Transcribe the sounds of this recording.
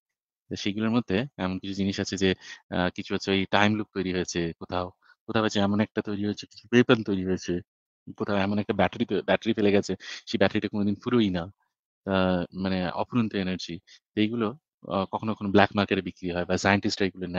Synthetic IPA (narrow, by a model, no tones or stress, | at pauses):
t̪aʃeɡuloɾmod̪ʱːeɛmonkit͡ɕʰud͡ʑiniʃat͡ɕʰed͡ʑekit͡ɕʰuat͡ɕʰojʈajmlup̚kojɾiɦojt͡ɕʰekot̪ʰao | kot̪ʰaoat͡ɕʰeɛmonɛk̚ʈat̪ojɾiɦojt͡ɕʰeki̥t͡ɕʰupejpant̪ojɾiɦojt͡ɕʰe | kot̪ʰaɛmonɛk̚ʈabɛʈeɾit̪obɛʈeɾifeleɡɛt͡ɕʰeʃebɛʈaɾiʈakonod̪inpuɾoina | t̪amaneɔ̰puɾunt̪oenəɾd͡ʑit̪ejɡulo | kɔkʰonokʰonoblɛkmaɾkeʈeɾbikɾiɦɔebasajəɳʈisʈejɡulona